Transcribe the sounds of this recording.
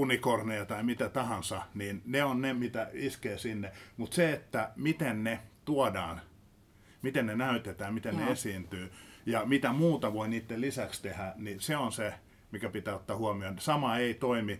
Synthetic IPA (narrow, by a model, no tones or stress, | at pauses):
unikornejɑt̪ɑimit̪æt̪ɑhɑnsɑniːnneonnemit̪æiskeːsinːemut̪seet̪ːæmit̪ennet̪uɔdɑːn | mit̪ennenæyt̪et̪æːmmit̪enneesiːnt̪yːjɑmit̪æmuːt̪ɑʋoiniːt̪ːelisækst̪ehæniseonse | mikæpit̪æːot̪ːɑːhuɑmionsɑmɑeit̪oimi